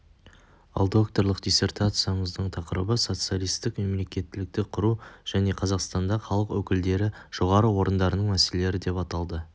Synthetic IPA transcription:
ɑ̰lˠd̪o̞kt̪o̞ɾlˠəqd̪ijse̞rt̪at̪sɨjaɴəzd̪əɴt̪ʰɑqəɾə̰bəso̞t̪sɨjalˠijst̪ɪkme̞mle̞kʲe̞t̪ːɪlɪk̚t̪ɪqʰʊɾuʒ̥æne̞qʰɑzɑqst̪ɑnd̪ɑχɑlˠəqwɵkʲɪld̪e̞ɾɪʒ̥o̞ʁɑɾəwo̞ɾənd̪ɑɾənəɴmæse̞lele̞ɾɪd̪e̞pɑt̪ɑlˠd̪ə

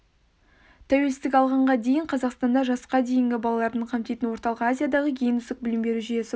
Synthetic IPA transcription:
t̪ʰæwe̞lsɪt̪ɪkʲɑlˠʁɑɴʁɑd̪e̞jɪɴqʰɑzɑqst̪ɑnd̪ɑʒɑsqɑd̪e̞jɪŋɡʲɪbɑlˠɑlˠɑɾd̪əɴqʰɑmt̪ejt̪ɪnwo̞ɾt̪ɑlˠəqazʲijad̪ɑʁəkʲʰejɪnʏzɪk̚bɪlɪmbe̞ɾuʒʏje̞sɪ

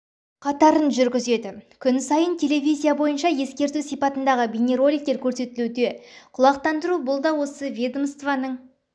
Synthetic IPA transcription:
qʰɑt̪ɑɾənʒʏɾɡʲɪze̞d̪ɪkʲʰʏnsɑjənt̪ʲʰe̞le̞vʲijzʲijabo̞jənʃɑje̞skʲe̞ɾt̪usijpɑt̪ənd̪ɑʁəbʲinʲeɾo̞lʲik̚t̪e̞ɾkʲʰɵɾse̞t̪ɪlud̪e̞qʰʊlˠɑq̚t̪ɑnd̪əɾubʊlˠd̪ɑwo̞səvʲed̪omst̪vanəɴ

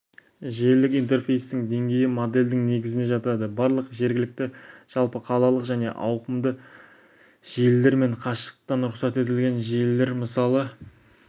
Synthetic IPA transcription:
ʒelɪkʲijnt̪e̞rfe̞jst̪ɪŋd̪e̞ŋɡʲe̞jɪmod̪e̞ld̪ɪŋne̞ɡʲɪzɪnd̪e̞ʒɑt̪ɑd̪əbɑɾlˠəqʒe̞ɾɡʲɪlɪk̚t̪ɪʒ̥ɑlˠpəqʰɑlˠɑlˠəqʒæne̞̰ʔɑwqəmd̪ə | ʒ̥ijlːe̞ɾme̞ɴqʰɑʃə̥qt̪ːɑnʊɾʊqsɑt̪e̞t̪̬ɪlɡʲe̞nʒijlːe̞ɾməsɑlˠə

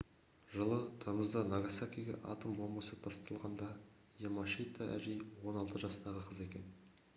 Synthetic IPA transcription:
ʒəlˠət̪ʰɑməzd̪ənɑɡasakʲijɡʲḛʔɑ̰t̪əmbolˠmɑsət̪ʰɑst̪ɑlˠʁɑnd̪ɑ | jemaʃit̪ːaʔæ̰ʒejwo̞nɑlˠt̪əʒɑst̪ɑʁəqʰəze̞kʲe̞n

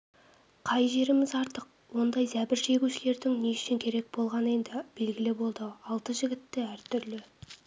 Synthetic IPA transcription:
qʰɑjʒe̞ɾɪmɪzɑɾt̪əq̚ | wo̞nd̪ɑjzæbɪɾʒe̞ɡʲuʃɪle̞ɾd̪ɪŋneɪ̥ʃɪŋkʲʰe̞ɾe̞k̚bo̞lˠʁɑnəe̞nd̪ɪb̥e̞lɡʲɪlɪbo̞lˠd̪əɑlˠt̪əʒɪɡʲɪt̪ːɪæɾt̪ʰʏɾlɪ

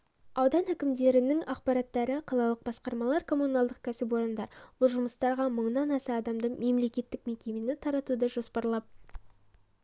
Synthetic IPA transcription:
ɑwd̪ɑnækʲɪmd̪e̞ɾɪnɪŋɑqpɑɾɑt̪ːɑɾəqʰɑlˠɑlˠəq̚bɑsqɑɾmɑlˠɑɾkʰo̞munɑlˠd̪əq̚kʲʰæsɪp̬wo̞ɾənd̪ɑɾwʊlˠʒʊməst̪ɑɾʁɑməɴnɑnɑsɑːd̪ɑmd̪əɴme̞mle̞kʲe̞t̪ːɪk̚me̞kʲe̞me̞nɪt̪ʰɑɾɑt̪ud̪ɑʒo̞spɑɾlˠɑp̚

